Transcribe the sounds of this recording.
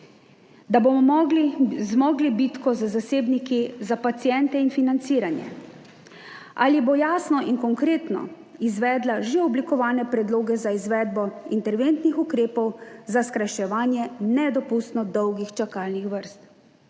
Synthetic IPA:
d̪abomɔmɔɡlizmɔːɡlibit̪kɔzazaseːbnikizapat̪sijɛnt̪ɛinfinant̪siːɾanjɛ̰ | ʔa̰ːlibojaːsnɔʔinkɔŋkɾeːt̪nɔ̰ | izʋɛːd̪laʒeɔblikɔʋaːnɛpɾɛd̪loːɡɛzaizʋɛːd̪bɔint̪ɛɾʋent̪nixukɾeːpɔwzaskɾajʃɛʋaːnjɛnɛd̪ɔpust̪nɔd̪ɔwɡixt͡ʃakalnixʋəɾst̪

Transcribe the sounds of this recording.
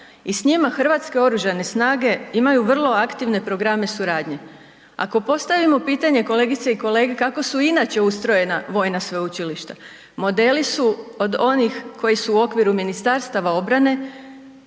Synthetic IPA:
isɲimaxr̩ʋat̪ske̞o̞ɾuʒane̞snaːɡe̞imajuʋr̩lˠo̞akt̪iʋne̞pɾo̞ɡɾame̞suɾaːd̪ɲe̞ | a̰ko̞po̞st̪aʋimo̞piːt̪aɲe̞ko̞le̞ɡit̪seiko̞le̞ːɡe̞kako̞suinat͡ɕe̞ust̪ɾo̞je̞naʋo̞jnasʋeut͡ɕiliʃt̪a | mo̞d̪e̞lisuo̞d̪o̞nixko̞jisuːo̞kʋiɾuminist̪aɾst̪aʋao̞bɾane̞

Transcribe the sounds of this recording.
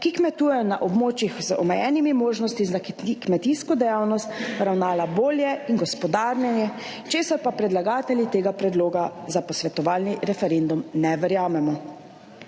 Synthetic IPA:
kikmɛt̪uːjɛjɔnaʔɔbmoːt͡ʃixzəɔmɛjɛːnimimoːʒnɔst̪izak̪ikmɛt̪iskɔd̪ɛjaːwnɔst̪ɾawnaːlaboːljɛinɡɔspɔd̪aːɾnjɛnjɛ | t͡ʃeːsaɾpapɾɛd̪laɡaːt̪ɛljit̪eːɡapɾɛd̪loːɡazapɔsʋɛt̪ɔʋaːlniɾɛfɛɾend̪umnɛʋɛɾjaːmɛmɔ

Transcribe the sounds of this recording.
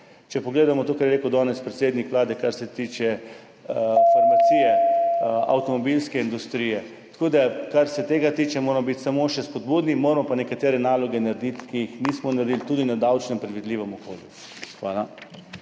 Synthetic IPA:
t͡ʃɛpɔɡleːd̪amɔt̪oːkaɾjɛɾekud̪ɔnɛspɾet̪seːd̪nikʋlaːd̪ɛkaɾsɛt̪iːt͡ʃɛ | ifɔɾmat̪siːjɛ | a̰wt̪ɔmɔbilskɛind̪ust̪ɾijɛ | t̪koːd̪akaɾsɛt̪eːɡat̪iːt͡ʃɛmoːɾmɔbit̪samoʃɛspɔd̪bud̪nimoːɾmɔpanɛkat̪eːɾɛnaːlɔɡɛnaɾed̪it̪kijixniːsmɔnaɾed̪ilt̪uːd̪inad̪awt͡ʃnɛmpɾɛd̪ʋid̪liːʋɛmɔko̰ljṵ | xʋaːla

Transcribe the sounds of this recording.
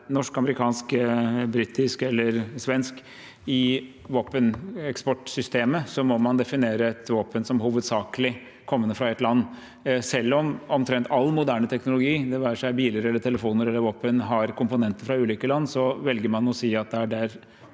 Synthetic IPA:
nɔʂkɑməɾɪkʰɑːnskbɾɪt̪ɪskɛlːəɾsʋɛnsk | ɪ | ʋoːpənɛkspɔʈsʏst̪eːməsɔmɔmɑnd̪ɛfɪneːɾəɛt̪ʋɑːpənsɔmɦuːʋəd̪sɑːkəlɪ | kʰɔmːənːəfɾɑɛt̪lɑnː | sɛlːɔmɔmt̪ʰɾɛnt̪ʰɑlːmʊd̪æːɳət̪ʰɛknʊlʊɡiːd̪ɛʋæːəʂæɪbiːlɪɾɛlːəʈʰɛləfuːnəɾɛlːəɾʋoːpənɦɑɾkʰʊmpʊnɛnt̪əɾfɾɑʉːliːkəlɑnːsɔʋɛlɡəɾmɑnɔsiːɑt̪̚d̪ɛæɖæɾ

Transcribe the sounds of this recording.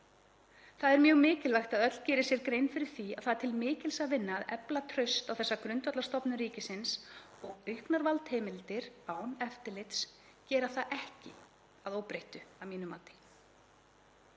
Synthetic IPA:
θaðɛɾmjœːɣmɪːcɪlvajxt̪aðœt̪l̥cɛːɾɪsjɛɾkɾejnfɪɾɪɾ̥θia̰ðθaðt̪ʰɪlmɪːcɪlsavɪnːaːðɛplat̪ʰɾʏst̪awθɛsːakɾʏnt̪vœt̪last̪ɔpnʏɾiːcɪsɪns | ɔɣʏhknaɾvalt̪heːmɪlt̪ɪɾ̥aːwnɛft̪ɪlɪt̪s | cɛːɾaθaðʔɛhcɪ̰ | aðoːwpɾejht̪ʏavmiːnʏmaːt̪ɪ̥

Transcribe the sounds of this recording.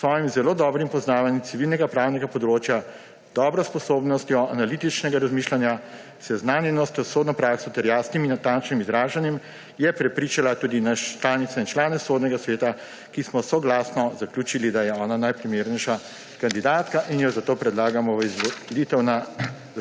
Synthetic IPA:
sʋɔːjimzɛloːd̪ɔːbɾimpɔznaːʋanjit̪siʋilnɛɡapɾaːwnɛɡapɔd̪ɾoːt͡ʃja | d̪̥ɔːbɾɔspɔsoːbnɔst̪jɔʔanalit̪it͡ʃnɛɡaɾazmiʃlanja | sɛznaːnjɛnɔst̪jɔsoːd̪nɔpɾaːksɔt̪ɛɾjaːsniminːat̪ãnt͡ʃnimizɾaːʒanjɛm | jɛpɾɛpɾit͡ʃalat̪uːd̪inaʃt͡ʃlaːnit̪saint͡ʃlaːnɛsoːd̪nɛɡasʋeːt̪a | kismɔsoɡlaːsnɔzaklʲuːt͡ʃilid̪ajɛɔːnanajpɾimeːɾnɛjʃa | kand̪id̪aːt̪kaʔinjɔzat̪oːpɾɛd̪laːɡamɔʋizʋɔlit̪ɛwna

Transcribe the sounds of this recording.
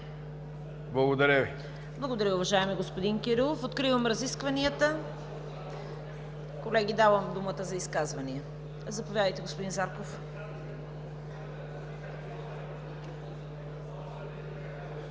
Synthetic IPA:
blˠɐɡod̪ɐɾʲəvi | blˠɐɡod̪ɐɾʲʊvɐʒaɛmiɡospod̪inkʲiɾilˠofot̪kɾivəmɾɐziskvɐniət̪ə | kolɛɡ̟ʲid̪avəmd̪umət̪əzɐiskazvɐniə | zɐpovʲjad̪əjt̪ɛɡospod̪inzaɾkof

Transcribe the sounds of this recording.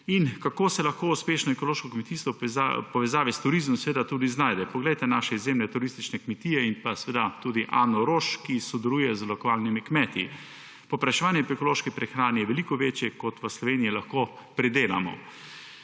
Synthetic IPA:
inkakoːsɛlɐxkouspeːʃnɔɛkɔloːʃkɔkmɛt̪ist̪ʋɔapɔʋɛzaːʋist̪uɾizmɔmsɛʋeːd̪at̪uːd̪iznaːjd̪ɛpɔɡlɛjt̪ɛnaːʃɛizeːmlɛt̪uɾist̪it͡ʃnɛkmɛt̪iːjɛinpasʋeːd̪at̪uːd̪iʔaːnɔɾoːʃkisɔd̪ɛluːjɛzlɔkʋaːlnimikmɛt̪i | pɔpɾaʃɛʋaːnjɛpɛkɔloːʃkipɾɛxɾaːnijɛʋɛlikɔʋeːt͡ʃjɛkɔt̪ʋəslɔʋeːniilaxkoː | pɾɛd̪eːla̰mɔ̰

